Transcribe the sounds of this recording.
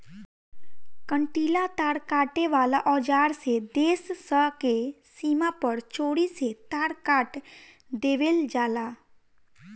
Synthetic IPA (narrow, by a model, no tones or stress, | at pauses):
kə̃ɳʈiːlat̪aːɾkaːʈeʋaːlaʔɔːd͡ʒaːɾsed̪eːssəke | siːmapəɾt͡ʃoːɽiset̪aːɾkaːʈ | d̪eːʋeld͡ʒaːlaː